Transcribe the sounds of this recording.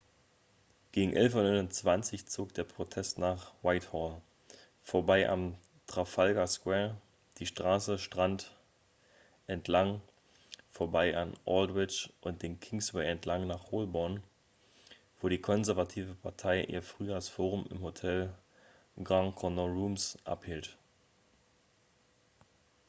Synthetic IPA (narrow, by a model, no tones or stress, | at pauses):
ɡ̥eːɡŋ̩ʔɛlfɔnɔɪnʊnt͡sv̥ant͡sɪçt͡soːkd̥eːɐpʁ̥otʰɛstnaːχwaɪthɔːl | foːɐbaɪʔa̰m | tʁ̥afalɡaskwɛːɐ | d̥iːʃtʁ̥aːsəʃtʁ̥ant | ʔɛntʰlaŋ | foːɐbaɪʔa̰nʔɔ̰ldwɪt͡ʃʔʊnt̚d̥eːnkʰɪŋswɛɪɛntʰlaŋnaːχoːlbɔɐn | v̥oːɾiːkʰɔnzɛɐvatʰiːvəpʰaɐtʰaɪʔḭːɐfʁ̥yːjaːsfoːʁʊmɪ̰mhotʰɛl | ɡʁãŋkʰɔnɔʁuːmsʔa̰phiːlt